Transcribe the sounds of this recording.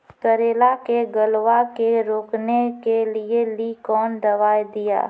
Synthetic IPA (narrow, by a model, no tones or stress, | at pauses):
k̪əɾeːlakeɡəlʋakeɾoːknekelielikɔːnd̪ɐʋaːjd̪ɪja̰ː